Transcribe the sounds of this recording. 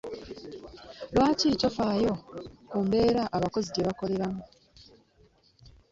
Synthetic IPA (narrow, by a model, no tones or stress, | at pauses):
lwaːciːtofaːjo̞kuːmbe̞ːɾaʔaβako̞ziɟeβako̞le̞ɾamu